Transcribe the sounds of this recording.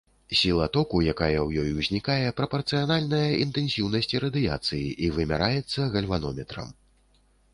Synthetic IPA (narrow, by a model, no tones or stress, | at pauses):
sʲilˠɐt̪ɔkujakajɐwjɔjuzʲnʲikajɛpɾɐpɐrt̪sɨjanalʲnɐjɐʔint̪ɛnsʲiwnɐsʲt͡sʲiɾɐd̪ɨja̰t̪sɨjiʔivɨmʲa̰ɾajɛt̪sːɐɣɐlʲvanɔmʲɛt̪ɾɐ̰m